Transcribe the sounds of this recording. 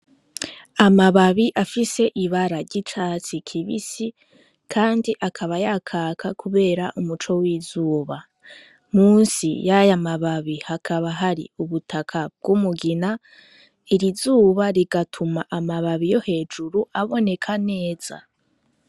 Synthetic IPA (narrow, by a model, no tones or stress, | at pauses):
amaβaβiʔafise̞ʔiβaɾaɾɟit͡ʃaːt͡sikʰiβḭsi | kʰaːndiʔakʰaβajakʰaːkʰakʰuβe̞ːɾaʔumut͡ʃo̞wiːzuːβa | muːnsḭjajamaβaβihakʰaβaɦaɾḭuβutʰakʰab̚ɡumuɡina | iɾizuːβaɾiɡatʰumaʔamaβaβijo̞he̞ːd͡ʒuɾuʔaβo̞ne̞kʰane̞ːz̥a̰